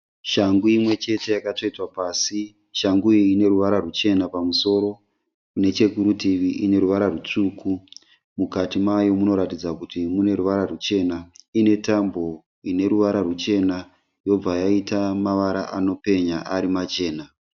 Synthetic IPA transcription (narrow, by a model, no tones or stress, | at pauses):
ʃaŋɡuimwe̞t͡ʃe̞te̞jakato̞itwapaːsi | ʃaŋɡuine̞ɾuʋaɾarut͡ʃe̞napamuso̞ːɾo̞ | kune̞t͡ʃe̞kuɾutiʋiʔine̞ɾuʋaɾarut͡ʂuku | mukatimajo̞muno̞ɾatid͡zakutimune̞ruʋaɾarut͡ʃe̞naine̞tambo̞ | ine̞ɾuʋaɾarut͡ʃe̞na | jo̞b͡vajaitamaʋaɾa̰ʔano̞pe̞ɲaʔaɾimat͡ʃe̞ːna